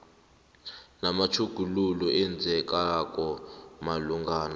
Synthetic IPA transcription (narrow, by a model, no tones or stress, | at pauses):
namat͡ʃʰuɡ̥ʱululɔʔɛnd͡zɛkaakɔmaluŋɡaːna